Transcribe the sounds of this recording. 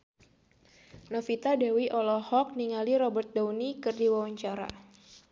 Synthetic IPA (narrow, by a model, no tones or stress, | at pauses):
nɔfit̪adawiʔɔlɔhɔk̚niŋaliɾɔbərt̪̚daunikɨrdiwawaɲt͡ʃaɾa̰